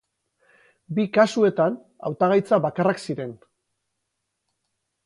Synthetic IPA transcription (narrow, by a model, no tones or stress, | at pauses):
bikasue̞t̪an | a̰wt̪aɣajt͡saβakaraksiɾe̞n